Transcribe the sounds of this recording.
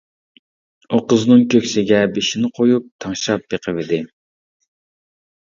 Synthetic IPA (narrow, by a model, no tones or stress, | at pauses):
uqəznɨŋkʲʰøkʲsɪɡʲɛbeʃinɪqʰojup̚t̪ʰɑŋʃɾɑp̚beqʰəvɪd̪ɪ